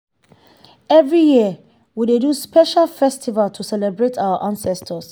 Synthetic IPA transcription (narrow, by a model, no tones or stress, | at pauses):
ɛvɹijiə | wideduspɛʃalfɛstʰivaltʰusɛlɛbɹetʰawəʔãnsɛstʰəs